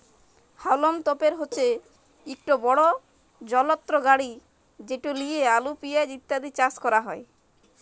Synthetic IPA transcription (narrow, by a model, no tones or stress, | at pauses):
hawlomt̪opeɾɦotːʰe | ik̚ʈobɔɽo | d͡ʑɔlot̪ːɾoɡaɽi | d͡ʑeʈuliealupijaeɾit̪ːad̪it͡ɕaskɔɾaɦɔe